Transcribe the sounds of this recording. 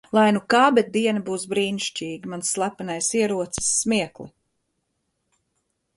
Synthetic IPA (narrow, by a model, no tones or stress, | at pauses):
lˠajnukaːbɛt̪̚d̪iɛnɐbuːsbɾiːniʃt͡ʃʲiːɡʲimansːlˠapanajsiɛɾuɔt̪sɨ̥sːmiɛklˠḭ